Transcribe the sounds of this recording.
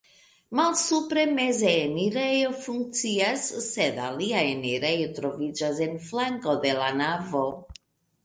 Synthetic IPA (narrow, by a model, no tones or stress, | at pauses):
malsupɾe̞me̞zeeniɾejofuŋk̚t͡siasːed̪a̰liaeniɾejotɾo̞vid͡ʒas̬enflaŋko̞d̪e̞lanavo̞